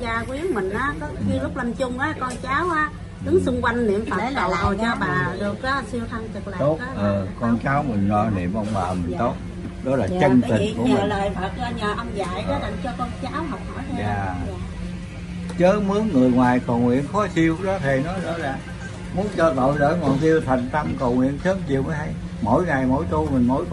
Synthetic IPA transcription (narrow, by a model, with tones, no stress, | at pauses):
zaː˧kwi˨˦˥əŋmï˨˩ŋ̟ʔaː˨˦kɔ˨˦ɲɨ˧lʊ˦˥k͡p̚lə˨˩nt͡ɕʊ˧ŋ͡mʔaː˨˦kɔ˧nt͡ɕaː˨˦wʔaː˨˦ | ɗɨ˨˦ŋsʊ˧ŋ͡mkwa˧jŋ̟nḭ˧˨əmfaː˨e˩˧˩lə̰˨wə˨˩jt͡ɕɔ˧ɓaː˨˩ɗɨ˨˩ək̚ʔaː˨˦si˧əwt̪ʰə˧ŋt̪ɨ˨˩k̚la̰˨o˦˥taː˨˦ʔə˨˩kɔ˧nt͡ɕaː˨˦wmï˨˩ŋ̟ɔ˧˩nḭ˧˨əmʔə˧wŋ͡mɓaː˨˩mi˨˩ŋ̟t̪o˦˥t̚ | ɗɔ˨˦laː˨˩t͡ɕə˧˩˧nt̪i˨˩ŋku˧˩ə˨ləː˨˩jfəː˨˩t̚zaː˧ɲəː˨˩ʔə˧mza̰ː˧˨jɗə˨˦la̰˧˩ŋt͡ɕɔ˧kɔ˧nt͡ɕaː˨˦wɦɔ˨˩wk͡p̚hɔ˧˩˦jzaː˨˩˨ | t͡ɕəː˨˦mɨ˨˦əŋːɨ˨˩əjŋwaː˨˩jkə˨˩wŋwḭ˧˨ənxɔ˨˦si˧əwɗɔ˨˦t̪ʰe˨˩nɔ˨˦jzɔ̰ː˨˦laː˨˩ | mu˨˦ənt͡ɕɔ˧t̪o̰˧˨jɗə̰ː˧˥jŋɔ̰˧˨nt̪i˧əwt̪ʰa˨˩jŋ̟t̪ə˧mkə˨˩wŋwḭ˧˨ənsʰə˨˦˥mt͡ɕi˨˩əwmə˨˦ja˧j | mo̰˧˥jŋa˨˩jmo̰˧˥jt̪u˧mï˨˩ŋ̟mo̰˧˥j̪